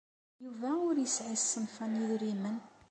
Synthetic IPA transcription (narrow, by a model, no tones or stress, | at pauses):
juvæʊɾjəsʕissːənfæniðɾimən